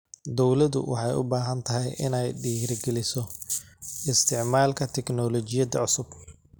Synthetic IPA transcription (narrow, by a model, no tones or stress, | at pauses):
d̪ɔwlɐðʊ̰wʔɑ̰ħɑjʊ̰baːɦɐnt̪ʰɐɦɛjʔɪ̰nɛjɖiːɾɡɛlɪsɔ | ɪst̪ʰɪʕmaːlkʰɐt̪ʰɛknɔːlɔt͡ʃɪjɐd̪ɐʕʊsʊb